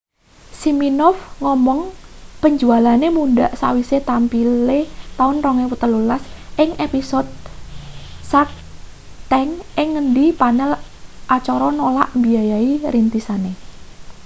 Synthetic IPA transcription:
siminɔfŋɔmɔŋpəɲd͡ʒualanemuɳɖaʔsa̰wiset̪ampilet̪aʊnrɔŋewət̪əlulasʔɪŋʔepisɔd̪̚ | sak̚ | t̪ɛŋʔɪŋːəndipanɛl | ʔat͡ʃɔɾɔnola̰ʔmbiajaiɾint̪isane

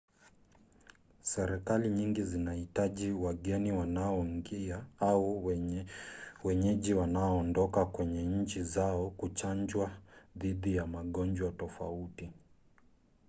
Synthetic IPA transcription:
sɛɾɛkaliɲiŋɡizinahitaʄiwaɠɛniwanaɔŋɡiaau | wɛɲɛʄiwanaɔːndɔkakwɛɲɛɲ̩t͡ʃizaɔkut͡ʃand͡ʒwaðiðijamaɠɔnd͡ʒwatɔfa̰uti

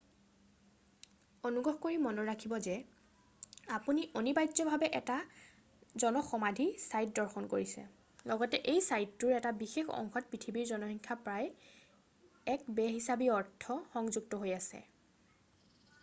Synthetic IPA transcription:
onuɡɹɔɦkoɹimɔnɔɹakʰibɔzɛ | apuniʔonibajdzɔbʱabɛʔɛta | zɔnɔxɔmadʱisajt̚dɔɹxʰɔnkoɹisɛ̰ | lɔɡɔtɛʔejsajtːuɹɛtabixexɔ̰ŋxɔt̚pɹitʰibiɹzɔnɔɦiŋkʰapɹaj | ɛkbɛɦisabiɔɹtʰːɔxɔŋzuɡ̚tɔɦojasɛ̰

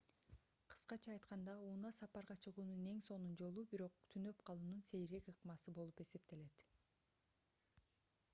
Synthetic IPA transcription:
qʰɯ̥sqɑt͡ʃʰɑːjt̪qɑnd̪ɑuːnɑsɑpɑɾʁɑt͡ʃʰɯʁuːnune̞ŋso̞nund͡ʒo̞lˠubiɾo̞q̚t̪ʰynø̞pqʰɑlˠuːnunse̞jɾe̞kɯqɯmɑsɯbo̞lˠupe̞se̞p̚t̪e̞le̞t̪

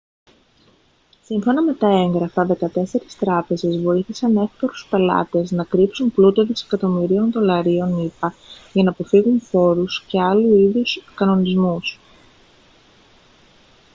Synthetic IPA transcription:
siɱfo̞nɐme̞t̪ɐe̞ŋɡɾɐfɐðe̞kɐt̪e̞se̞ɾist̪ɾɐpe̞ze̞zvo̞iθisɐne̞fkoɾuspe̞lɐ̰t̪e̞znɐkɾipsunplut̪oðisekɐt̪o̞miɾio̞nðo̞lɐɾio̞nipɐʝɐnɐːpo̞fiɣunfo̞ɾusce̞ɐluiðuskɐno̞nizmus

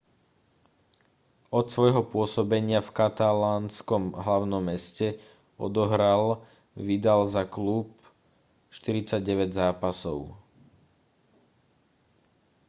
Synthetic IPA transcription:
ɔt̪sʋɔjɦɔpʊɔsɔbɛɲɪafkat̪alaːnskɔmɦlaʊnɔmːɛscɛ | ɔ̰d̪ɔɦɾal | ʋid̪alzaklup | ʃt̪iɾit͡saɟɟɛʋɛɟzaːpasɔʊ

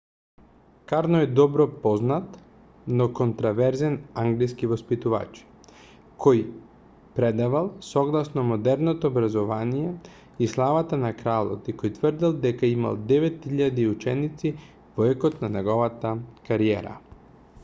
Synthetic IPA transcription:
kaɾnɔɛd̪ɔbɾɔpɔznat̪ | nokont̪ɾavɛɾzɛnaŋɡliskivospit̪uva̰t͡ʃ | kʰoj | pɾɛd̪avalˠsɔɡlˠasnɔmod̪ɛɾnot̪oːbɾazɔvanijɛ | islˠavat̪anakɾalˠo̰t̪ikojt̪vərd̪ilˠd̪ɛkaima̰lˠd̪ɛvɛt̪hiʎad̪iut͡ʃɛnit̪si | vɔɛkot̪nanɛɡɔvat̪akaɾiɛɾa̰

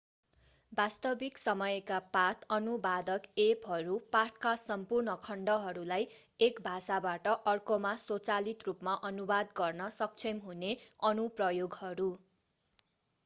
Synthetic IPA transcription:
bast̪ʌbiksʌmʌjkapat̪ʰʌnubad̪ʌkepɦʌɾupaʈʰkasʌmpurnʌkʰʌɳɖʌɦʌɾulajekbʱasabaʈʌʔʌrkomasot͡salit̪rupmaʔʌnubad̪ɡʌrnʌsʌk̚t͡sʰemɦuneʌnuprʌjoɡhʌɾu

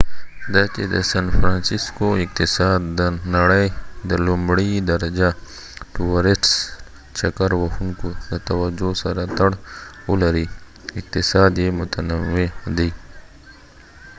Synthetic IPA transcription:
d̪aked̪əsɐnfɾaːnsiskoɪk̚t̪ɪsaːd̪ːənɐɽəjd̪əlumbɽid̪ɐɾɐd͡ʒa | ʈuwɐɾeʈs | t͡ʃɐkəɾwɐxunkod̪ət̪ɐwɐd͡ʒosɐɾat̪ɐɽʊlɐɾi | ɪk̚t̪ɪsaːd̪jemʊt̪ənəwed̪iː

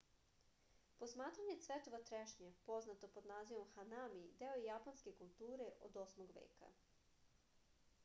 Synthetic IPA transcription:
po̞smaːt̪ɾaɲesʋet̪oʋat̪ɾeʃɲepo̞znat̪o̞po̞d̪naːziʋo̞mxanamid̪eojjaponske̞kulˠt̪uːɾe̞ʔo̰d̪o̞smoɡʋḛːka̰

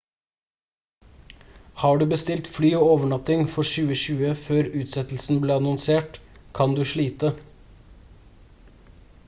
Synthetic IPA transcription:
hɑːɖʉːbəst̪ɪlt̪flyːoːoːʋəɳɑt̪ɪŋfɔʃʉːəʃʉːəføːɾʉːt̪sɛt̪l̩sn̩bleːɑnɔnseːʈkʰɑnd̪ʉːʃɭiːt̪ə

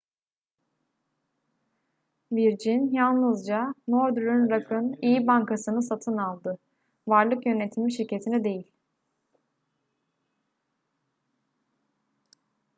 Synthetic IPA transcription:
viɾd͡ʒinjalˠnɯzd͡ʒano̞ɾd̪ɾynɾakʰɯnijibaŋkʰasɯnɯsat̪ʰɯnalˠd̪ɯ | vaɾlˠɯkjø̞ne̞t̪ʰimiʃiɾcʰe̞t̪ʰinɛd̪e̞jilʲ

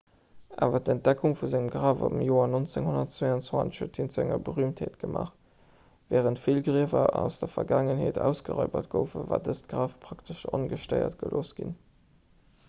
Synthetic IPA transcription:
ʔaːvɐtənt̚d̥ækʰuŋfuzæŋəmɡʁaːvo̰bmjoːɐnont͡seŋhonɐtt͡sweənt͡swɑnʃhuətʰint͡suæŋɐbəʁyəmtheːtɡ̥əmʔa̰ːχ | vɛːʁəntfilɡʁiəvɐʔæʊsd̥ɐfɐɡaːŋənɦeːtʰæ̰ʊsɡ̥əʁɑɪbɐtɡ̥əʊfəva̰ːdəstɡ̥ʁaːfpʰʁ̥ɑktʰəʃonɡəʃtəɪɐ̰t̚ɡ̥əloːsɡ̥in

